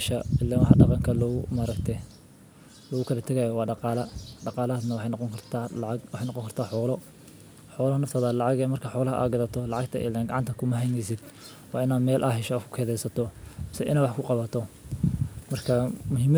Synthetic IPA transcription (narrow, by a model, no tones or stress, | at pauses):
ʃɐɪlːɛwħɑɖɑqɑŋkʰɐlɔɣʊmɐɾɐɡt̪ʰɛ | lɔːɣʊkʰɐlɐt̪ʰɐɣɐjɔwɑːɖɑqɑːlɐɖɑqɑːlɐnɐwħɑnqɔŋkʰɐrt̪ʰawɑħejnɑqɔŋkʰɐrt̪ʰaːħɔːlɔ | ħɔːlɐhɐnɐft̪ʰɐðɐlɑʕɑɣɛmɐrkʰɐħɔːlɐɦɐʔa̰ːɡɐðɐt̪ʰɔlɑʕɑɡt̪ʰɐ̰ʔɪ̰lːɛŋɡɑʕɑnt̪ʰɐkʰʊmɐɦɛjnɛjsɪd̪ | wɑːɪnaːd̪mɛːlʔɐɦɛʃɐːkʰʊ̥kʰɛːðɛjsɐt̪ʰɔmɪsɛʔɪ̰naːwɑħkʰʊqɑβɐt̪ʰɔ | mɐrkʰɐmʊɦiːmɐ